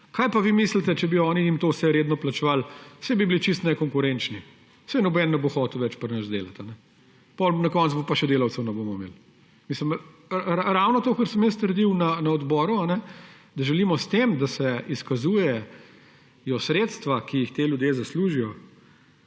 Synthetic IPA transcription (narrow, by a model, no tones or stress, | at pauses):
kaːjpaʋiːmiːslit̪ɛt͡ʃɛbiɔɔːnijimt̪oːwsɛɾeːd̪nɔplat͡ʃɛʋalsɛbibilit͡ʃist̪nɛkɔŋkʊɾɛnt͡ʃni | sɛnɔbɛːnːnɛboxɔːt̪lwʋɛt͡ʃpəɾnət͡ʃd̪ḛːlat̪anɛ | pɔlnɐkɔːnt̪sbopaʃɛd̪eːlawt̪sɛwnɛbomɔimḛːl | misləmɾaɾawnɔt̪oːkəɾsəmjəst̪əɾd̪iwnanaɔd̪bɔːɾuanɛ | d̪ɐʒɛliːmɔst̪emd̪asɛiskazuːjɛ | jɔsɾeːt̪st̪ʋakijixt̪eːljud̪jeːzɐsluːʒijɔ